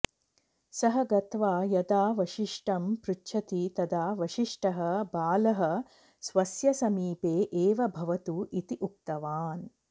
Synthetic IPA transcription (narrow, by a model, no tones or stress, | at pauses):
sɐɦɐɡɐt̪ʋaːjɐd̪aːʋɐʃiʂʈɐmpɾutːʃʰɐt̪it̪ɐd̪aːʋɐʃiʂʈɐɦɐbaːlɐɦɐ̆ | sʋɐsjɐsɐmiːpeːʔeːʋɐbʱɐʋɐt̪uit̪iʔuk̚t̪ɐʋaːn